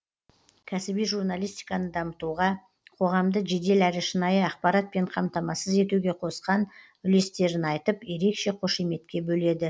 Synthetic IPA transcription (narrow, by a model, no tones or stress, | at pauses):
kʲʰæsɪbijʒuɾnalʲˠijst̪ijkɑnəd̪ɑmət̪uʁɑ | qʰo̞ʁɑmd̪əʒe̞d̪e̞læɾɪʃənɑjəɑqpɑɾɑt̪̚pe̞ɴqʰɑmt̪ɑmɑsəze̞t̪uɡʲe̞qʰo̞sqɑn | ʏle̞st̪e̞ɾɪnɑjt̪əpje̞ɾe̞kʃe̞qʰo̞ʃeme̞t̪kʲe̞bɵle̞d̪ɪ